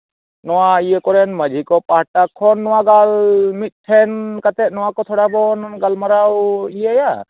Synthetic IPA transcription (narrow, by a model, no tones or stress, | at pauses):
nɔwaijekɔɾɛnməd͡ʒʱikɔpaʈakʰːɔnːɔwaɡalmit̪̚ˀʈʰɛnkat̪ɛʔ̪̚nɔwakɔt̪ʰɔɽabɔnɡalmaɾawijɛja